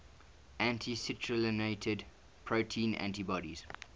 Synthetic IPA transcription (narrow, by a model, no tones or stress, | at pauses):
æ̃ntʰisɪtʰɹələneɪtʰəd | pʰɹoʊtʰĩːnæ̰̃ntibɔɾiz̥